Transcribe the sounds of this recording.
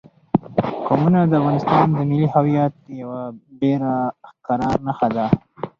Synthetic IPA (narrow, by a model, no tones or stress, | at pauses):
komunad̪əafɣɑnɪst̪ɑnd̪əmɪlihawijat̪̚jawabeɾakaɾɑɾnaxad̪a